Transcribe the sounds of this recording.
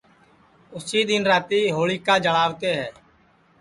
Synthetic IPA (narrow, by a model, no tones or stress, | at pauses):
ʊsiːd̪ɪnɾaːt̪iːɦoːɭiːkaːd͡ʒəɭaːʋt̪eːɦɛː